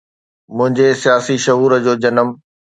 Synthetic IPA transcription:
mʊ̃ɦɪ̃ɲd͡ʑesijaːsiʃɐɦuːɾəd͡ʑoːd͡ʑɐnəm

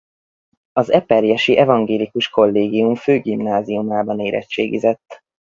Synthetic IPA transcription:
ɒzɛpɛrjɛʃiʔɛvɒŋɡeːlikuʃko̞lːeːɡijumføːɡimnaːzijumaːbɒneːɾʔɛ̰t͡ʃːḛːɡḭzɛt̪ː

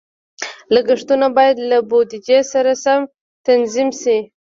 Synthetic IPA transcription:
laɡəʂt̪unabɑjad̪labod̪id͡ʒesaɾasam | t̪anzimsi

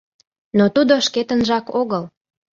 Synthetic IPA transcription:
not̪ud̪oʃket̪ənʒɑkoɣəl

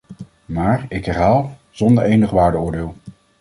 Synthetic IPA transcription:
maːɹɪkɦɛɹɦaːlˠ | z̥ɔndəɹejnəχʋaːɹdəʊːɹdeːlˠ

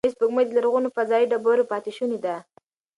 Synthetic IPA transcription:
ispəɡməd̪laɾɣunofazɑiɖaboɾopɑt̪ɪʃunid̪a

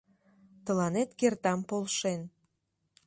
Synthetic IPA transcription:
t̪ə̆lɑnet̪kert̪ɑmpolʃen

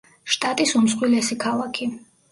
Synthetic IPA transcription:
ʃt̪ʼat̪ʼisumsχwilɛsikʰalˠakʰi

